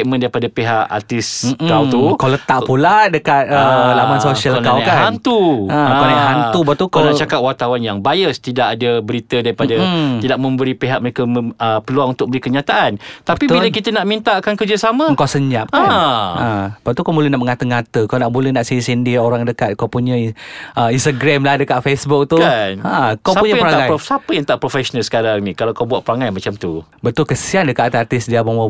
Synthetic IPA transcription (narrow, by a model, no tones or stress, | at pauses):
ʔ̚məndaɾipadapeɦaʔa̰t̪ɪskawt̪ukawlət̪aʔpuladəkat̪̚əlamansosialnkakaɦant̪uə̃kanajhant̪ubat̪ukalat͡ʃakap̚wart̪awanjaŋbajəst̪idaʔadəbəɾit̪ədaɾipadət̪idaʔ̚mə̃mbəɾipeɦaʔ̚məɾekəməəpəluaʔunt̪ʊk̚bəɾikəɲat̪aʔant̪apibiləkit̪ənaʔmint̪aʔakankərd͡ʒəsamə̃əŋkawsəɲap̚ʔaaəpat̪ukawmuləhnaʔməŋat̪əŋat̪əkawnaʔbuləhnaʔsisindioɾaŋdəkat̪̚kawpuɲə̃ʔəinst̪aɡɾɛmlahdəkaʔ̪̚fesbuk̚t̪uanakawsapuɲajpɾaaasapəjaŋt̪aʔpɾofɛʃonalsə̥kaɾaŋnikalawkawbuaʔ̪̚pəɾaŋajmat͡ʃamt̪u | bət̪ʊlkəsiandəkat̪at̪art̪ɪsdiabama